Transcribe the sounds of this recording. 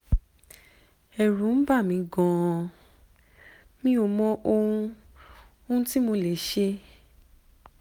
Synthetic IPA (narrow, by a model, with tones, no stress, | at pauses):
ɛ˨ɾũ˨˦n̩˦ba˦˨mĩ˨˧˦ɡɔ̃˨˧ | mĩ˦o˧mɔ̃˧ʔo˧hũ˧˦ | o˧ũ˦ti˦mo˧le˨ʃe˧